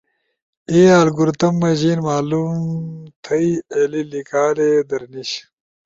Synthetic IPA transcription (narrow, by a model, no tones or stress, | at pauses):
eːaːlɡuɾt̪ɐmːɐʑiːnmaːlumt̪ʰɐielilikaːled̪ɐɾniɕ